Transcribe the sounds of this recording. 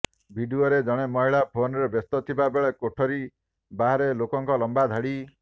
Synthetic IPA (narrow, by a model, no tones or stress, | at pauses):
bʱiɖioɾed͡ʒɔɽ̃emɔɦiɭapʰonɾebest̪ɔt̪ʰibabeɭekoʈʰɔɾi | baɦaɾelokɔŋkɔlɔmbad̪ʱaɽi